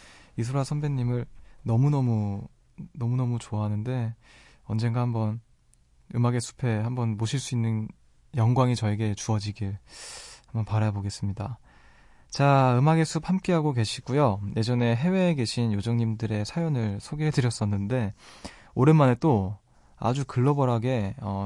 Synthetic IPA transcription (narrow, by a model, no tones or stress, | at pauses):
isʰoɾasʰʌnbeɲːimɯɭnʌmunʌmu | nʌmunʌmut͡ɕoaɦanɯnde̞ | ʌnd͡ʑe̞ŋɡahambʌn | ɯmaɡe̞sʰu̥pʰe̞hambʌnmoɕʰiɭs͈uinːɯn | jʌŋɡwaŋit͡ɕʌeɡe̞t͡ɕuʌd͡ʑiɡiɭ | hambʌnpaɾajaboɡe̞s͈ɯmɲida | t͡ɕaɯmaɡe̞sʰup̚hamk͈e̞ɦaɡoke̞ɕʰi̥ɡujoje̞d͡ʑʌne̞ɦe̞we̞ːɡe̞ɕʰinjod͡ʑʌŋɲimdɯɾe̞sʰajʌnɯɭsʰoɡeɦe̞dɯɾjʌs͈ʌnːɯnde̞ | oɾenmane̞t͈o | a̰d͡ʑukɯɭːʌbʌɾaɡe̞ʌ